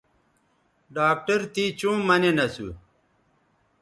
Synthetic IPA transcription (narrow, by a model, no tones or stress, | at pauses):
ɖaːk̚ʈɐɾt̪it͡ɕũːmɐnenɐsu